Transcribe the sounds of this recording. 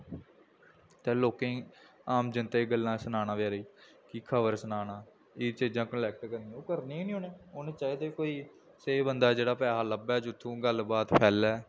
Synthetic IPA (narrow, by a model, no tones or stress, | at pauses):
t̪ẽːloːkẽː | aːmd͡ʒɪnt̪eːɡəlːãːsənaːnãːʋjːɾiː | kiːkʰəʋəɾsənaːnaː | iːt͡ʃiːd͡ʒãːkəlɛːk̚ʈkəɾnĩːoːkəɾniːnĩːõːneːʊneːt͡ʃaːiːd̪eːkoːiː | seːbənd̪aːd͡ʒeːɽaːpɛːɦaːləbɛːd͡ʒʊt̪ʰːũːɡəlbaːt̪pʰɛːlɛː